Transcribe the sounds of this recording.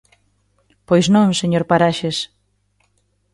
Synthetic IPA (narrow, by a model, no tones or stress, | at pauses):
pojznõŋseɲoɾpaɾaʃes